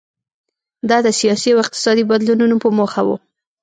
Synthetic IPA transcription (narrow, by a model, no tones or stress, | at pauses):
d̪ɑd̪əsijɑsiawɪq̚t̪ɪ̥sɑd̪ibad̪lununopəmoxawṵ